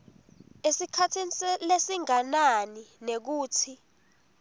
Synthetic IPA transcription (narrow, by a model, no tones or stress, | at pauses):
esikʰatʰinilesiŋananinek̬uːtʰi